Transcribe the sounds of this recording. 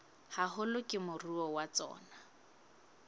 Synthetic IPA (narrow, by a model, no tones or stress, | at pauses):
haɦʊlʊkʼɪmʊruɔwat͡sɔ̰ːna